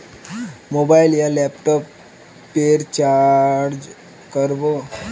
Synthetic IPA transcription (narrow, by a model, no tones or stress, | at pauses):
mobailjalɛpʈɔpː | eɾt͡ɕaɾd͡ʑ | kəɾbo